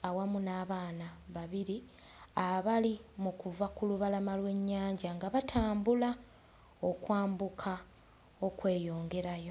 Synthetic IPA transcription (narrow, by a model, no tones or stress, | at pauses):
awamunaːβaːnaβaβiɾi | aβalimukuvakuluβalamalwe̞ɲːaːɲɟaŋɡaβatʰaːmbula | o̞kwaːmbukʰa | o̞kwe̞ːjo̞ːŋɡe̞ɾajo̞